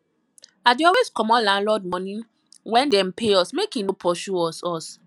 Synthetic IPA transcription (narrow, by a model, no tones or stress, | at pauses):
adeɔlweskɔmɔlãnlɔd̚mɔnĩ | wɛ̃ndɛ̃mpʰeɔsmekinopʰɔʃuɔsɔs